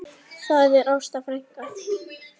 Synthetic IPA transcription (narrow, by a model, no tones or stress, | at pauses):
saðɛɾawst̪afɾajŋ̥ka